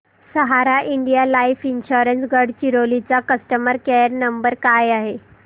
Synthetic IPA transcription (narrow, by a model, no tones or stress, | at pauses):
səɦaɾaʔiɳɖijalaifinɕoɾənsɡəɽt͡ɕiɾolit͡sakəsʈəməɾkɛɾnəmbəɾkajaɦe